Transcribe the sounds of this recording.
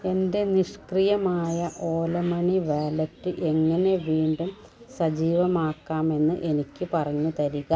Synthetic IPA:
e̞nde̞niʂkrijɐmaːjɐʔo̞ːlɐmɐɳiʋaːlɐtːɨʔe̞ŋːɐne̞ʋiːɳɖum | sɐd͡ʑiːʋɐmaːkːaːme̞nːɨʔe̞nikʲːɨpɐrɐɲːut̪ɐɾiɣɐ

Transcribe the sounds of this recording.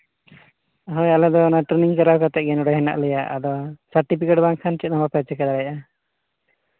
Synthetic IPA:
ɦɔjalɛd̪ɔːnaʈɾɛniŋkaɾawkat̪ɛɡɛnɔɽɔɦɛna̰ʔlɛjaʔa̰d̪ɔsaɾʈipikɛʈbaŋkʰant͡ʃɛt̪̚ˀnamapɛt͡ʃɛkad̪aɽajʔa

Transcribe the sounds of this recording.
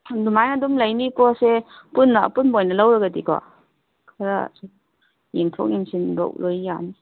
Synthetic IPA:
dumajnɐdumlɐjnikɔsepunːɐpunbojnɐlawɾɐɡɐdikɔ̰ | kʰɐɾɐ̰s | jeŋtʰo̰k̚jiŋsinbɐ̰lojjani

